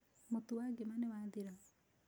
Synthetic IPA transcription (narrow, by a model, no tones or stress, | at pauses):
motuwaɡemanewaːðeɾɔ